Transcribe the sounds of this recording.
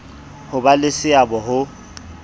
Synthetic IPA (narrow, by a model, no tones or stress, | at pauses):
hʊbalɪsɪabɔɦʊ